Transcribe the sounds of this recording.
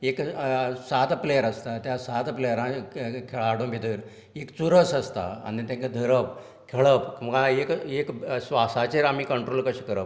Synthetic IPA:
eksat̪plejəɾəst̪at̪jasat̪plejəɾãkʰeɭaɽõmbʱid̪əːɾ | ekt͡suɾəsəst̪a̰a̰nit̪ãŋkəd̪ʱəɾəp | kʰeɭəpməɡaekeksʋasat͡ɕeɾam̤iːkəɳʈɾolkəɕiːkəɾəp

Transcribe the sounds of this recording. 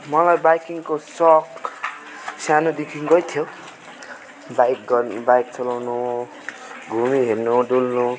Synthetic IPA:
mʌlajbajkiŋkosʌk | sanod̪ikʰiŋɡʌjt̪ʰjo | bajkɡbajk̚t͡sʌlawno | ɡʱumiɦernoɖulnu

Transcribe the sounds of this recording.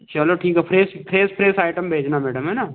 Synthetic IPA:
t͡ʃɐloʈʰiːkɦɛpʰɾeːspʰɾeːspʰɾeːsaːɪʈəmbʱeːd͡ʒnamɛːɽəmɦɛnaː

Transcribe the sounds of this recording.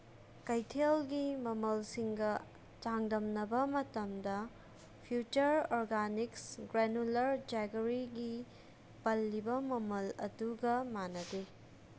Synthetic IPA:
kɐjtʰelɡimɐmɐlsiŋɡɐ | d͡ʒaŋdɐmnɐbɐmɐtɐmdɐ | pʰjut͡ʃɐɾoɾɡaniksɡɾenulɐɾd͡ʒaɡɐɾiɡi | pɐlːibɐmɐmɐlɐ̰duɡɐmanɐde

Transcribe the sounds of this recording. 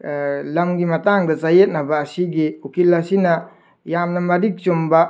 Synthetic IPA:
lamɡimataŋdazajet̚nabaːsiɡiukilasina | jamnamɐɾik̚t͡ʃumba

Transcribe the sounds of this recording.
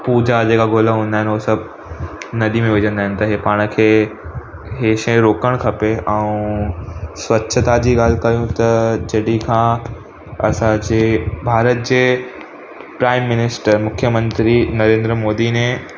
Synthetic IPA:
puːd͡ʑad͡ʑeːkaɡʱoːlaɦũːnd̪aːɦɪ̃nɦosɐbʱ | nɐɗ̪imẽʋɪd͡ʑə̃nd̪aːɦɪnɪ̆t̪ɐɦepaːɽ̃̆kʰeː | ɦeːʃẽɾoːkəɽ̃kʰɐpeʔɛ̃ũ | sʋɐtːʃʰət̪ad͡ʑiːɠaːlkɐɾijũt̪ɐd͡ʑɐɽikʰãː | ɐsãd͡ʑeːbʱaːɾət̪̚d͡ʑeː | pɾaːɪmːɪnɪsʈəɾmʊkʰjəmə̃nt̪ɾinɐɾẽːnd̪ɾəmoːd̪ine

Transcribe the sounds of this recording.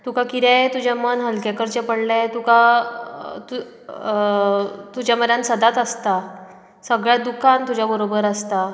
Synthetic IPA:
t̪ukakiɾat̪ud͡ʑjamənɦəlkakəɾt͡ɕapəɳlat̪uka | t̪u | t̪ud͡ʑaməɾjãnsəd̪at̪əst̪a | səɡɭjad̪ukant̪ud͡ʑjabəɾobəɾəst̪a

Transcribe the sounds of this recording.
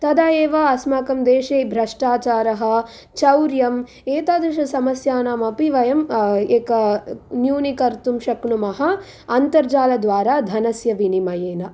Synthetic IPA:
t̪ɐd̪aeːʋɐɐsmaːkɐmd̪eːʂeːbʱɾɐʂʈaːt͡ʃaːɾɐɦɐ̆ | t͡ʃɐwɾjɐm | eːt̪aːd̪ɾɐʃɐsɐmɐsjaːnaːmɐpiʋɐjɐmeːkɐnjuːnikɐɾt̪umʃɐkɳumɐɦɐ | ɐnt̪ɐɾd͡ʒaːlɐd̪ʋaːɾaːd̪ʱɐnɐsjɐʋinimɐjeːnɐ

